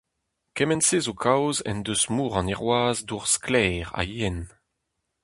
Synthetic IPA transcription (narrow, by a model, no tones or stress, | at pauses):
kɛmɛnseːzokʰawzɛ̰nd̪øsmuːʁɑ̃nɛʁwaːzduʁsklɛːʁa̰iɛn